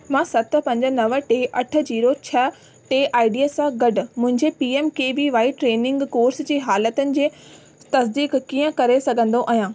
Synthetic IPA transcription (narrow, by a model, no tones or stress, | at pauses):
mãːsɐt̪̆pɐ̃ɲd͡ʑə̆nɐʋəʈeːʔɐʈʰə̆d͡ʑiːɾot͡ɕʰɐ | ʈeːʔaːɪɖiəsãɡɐɖ̆mʊ̃ɦɪ̃ɲd͡ʑepiːemkeːʋiʋaːiʈɾeːnɪ̃ŋɡkoːɾsd͡ʑeːɦaːlət̪ənɪ̆d͡ʑeː | t̪ɐsd̪iːkkiːə̃kɐɾesɐɡʱə̃nd̪oʔaːɦijãː